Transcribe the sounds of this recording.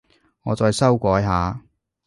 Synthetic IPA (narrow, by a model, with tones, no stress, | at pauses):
ŋɔː˨˧t͡sɔː˨˧jsɐ˥wkʷɔː˨˥jɦaː˨˧